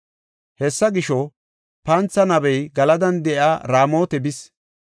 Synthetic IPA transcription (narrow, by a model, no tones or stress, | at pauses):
hɛsːɐɡɪʃɔ | pɐnt͡sːɐnɐβɛjɡɐlɐd̪ɐnd̪ɛʔaːɾaːmo̞ːt̪ɛbɪs